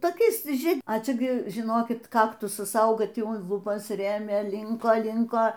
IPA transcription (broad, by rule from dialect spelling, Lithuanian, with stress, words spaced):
toːˈkʲɛɪs ˈʒʲiɛ ɐ ˈt͡ʃʲɛ ɡʲɪ ʒʲɪˈnoːkʲɪt ˈkɑːktʊsɐs ˈɐʊɡɐ ˈtʲiː ʊn lˠʊˈbɐs ˈrʲeːmʲeː ˈlʲɪŋkoː ˈlʲɪŋkoː